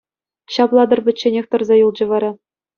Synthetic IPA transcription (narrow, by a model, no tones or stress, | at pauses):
ɕɑplˠɑd̪ɤ̆rbʲɘ̆t͡ɕːenʲexʲt̪ɤ̆rzɑjulˠd͡ʑɤ̆ʋɑɾɑ